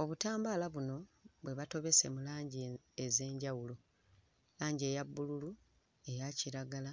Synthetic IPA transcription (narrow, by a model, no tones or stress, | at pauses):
o̞βutaːmbaːlaβuno̞βwe̞βato̞βe̞se̞̰mulaːɲɟieze̞ːɲɟawulo̞ | laːɲɟie̞ːjabːululu | e̞jaciɾaɡala